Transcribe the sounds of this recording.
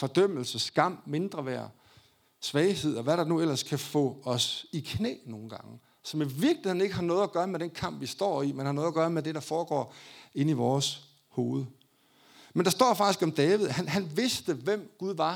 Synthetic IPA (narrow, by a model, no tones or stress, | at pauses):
fɒ̽d̥œm̰l̩səsɡ̥ɑ̈m̰me̝nd̥ʁɐʋæɐ̰ | sʋɛːɪhe̝ð̞̰ˠɒʋæɾɑ̈nuel̰ɐskʰæfɔ̰̽ɒ̽sikʰnḛːno̝ːn̩ɡ̥ɑ̈ŋə | sɒ̽miʋiɐɡ̥liheð̰ˠn̩e̝ɡ̥əɦɑ̈nɔ̽ːð̩ˠɐɡ̥ɶːɐmed̥enkʰɑ̈m̰b̥ʋisd̥ɒ̰ːimenhɑnɔ̽ðˠɐɡ̥ɶːɐmed̥e̝ɾ̥ɑ̈fɒːɡ̥ɒ̰ːe̝niʋɒːs | ho̝ːð̞̩ˠə | mend̥ɑ̈sd̥ɒ̰ːfɑ̈ɡ̥isɡ̥ɒ̽md̥ɛːʋið̞̩ˠhænɦænʋe̝sd̥əʋem̰ɡ̥uðˠʋɑ̈